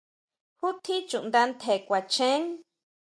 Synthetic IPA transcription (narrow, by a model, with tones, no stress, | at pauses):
hu˦t̪ʰi˦t͡ʃu˨ʔnd̪a˧nt̪ʰe˨kʷa˨t͡ʃẽ˦ŋ